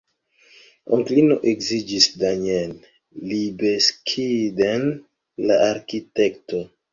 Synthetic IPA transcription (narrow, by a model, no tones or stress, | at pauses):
oŋklinoʔekzid͡ʒisdaɲen | libeskʰiden | laaɾkitekto